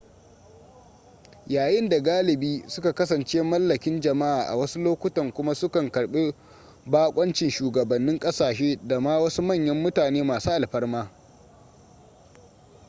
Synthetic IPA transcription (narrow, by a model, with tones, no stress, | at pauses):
jaː˨jɪ˦nda˨ɡaː˦lɪ˨biː˦sʊ˦ka˨kɐ˦s̬ɐ˨nt͡ʃeː˦mɐ˦lːɐ˨kʲɪ˦nd͡ʒɐ˨ma˦ʔaː˨ʔa̰˨wɐ˦su˦loː˦kʷʊ˦tɐ˨ŋkʷʊ˦ma˦sʊ˦kɐ˨ŋkɐ˨ɽɓe˦ | baː˦kʷʼɐ˦nt͡ʃɪ˨nʃuː˨ɡɐ˨bɐ˨nːɪ˦ŋkʼɐ˦saː˨ʃeː˦da˨maː˦wɐ˦su˦mɐ˦˨ɲjɐ˦mːʊ˦taː˨neː˦maː˨suː˦ʔa˨lɸɐ˦rmaː˦